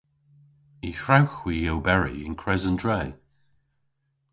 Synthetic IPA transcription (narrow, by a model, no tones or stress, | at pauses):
ihɹawxwijɛlbɛɹḭɪ̰̃nkʰɹɛzəndɹɛː